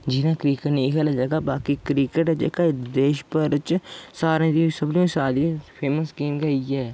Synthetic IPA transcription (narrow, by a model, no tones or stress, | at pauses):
d͡ʒɪnãːkɾiːkəʈnĩːkʰɛːlaːd͡ʒəɡaːbaːkiːkɾiːkəʈːd͡ʒḛːkaːd̪eːʃpəɾt͡ʃsaːɾẽːd̪iːsəblĩːsaːd̪ipʰeːməsɡiːmɡəiːɛː